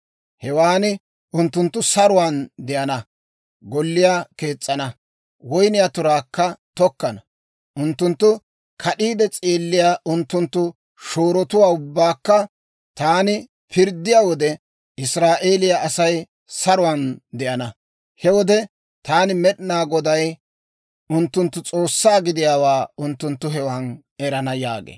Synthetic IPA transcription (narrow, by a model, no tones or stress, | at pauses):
hɛwaːnɪ | ʔʊnt̪ːʊnt̪ːʊsɐɾʊwaːnd̪ɛʔɐnɐ | ɡɔlːɪjaːke̞ːt͡sʼːɐnɐ | wɔjnɪjaːt̪ʊɾaːkːɐt̪ɔkːɐnɐ | ʔʊnt̪ːʊnt̪ːʊ | kʰɐɗiːd̪ɛt͡sʼeːlːɪjaːʔʊnt̪ːʊnt̪ːʊ | ʃoːɾɔt̪ʊwaːʊbːaːkːɐ | t̪aːnɪ | pʰɪɾd̪ːɪjaːwɔd̪ɛ | ɪsɾaːʔe̞ːlɪjaʔɐsɐj | sɐɾʊwand̪ɛʔɐnɐ | hɛwɔd̪ɛ | t̪aːnɪmɛɗnaːɡɔd̪ɐj | ʊnt̪ːʊnt̪ːʊt͡sʼo̞ːsːaːɡɪd̪ɪjaːwaːʊnt̪ːʊnt̪ːʊɦɛwaːn | ɛɾɐnɐja̰ːɡḛː